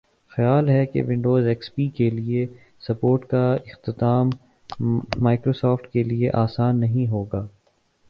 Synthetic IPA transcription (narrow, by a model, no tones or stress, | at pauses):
xɐjaːlɦɛkḛʋɪ̃ɳɖoːzɛːkspiːkelie | sɐpoːɾʈkaɪxt̪ɪt̪aːmː | aːkɾoːsɔːfʈkelieʔaːsaːnːɐɦĩɦoːɡaː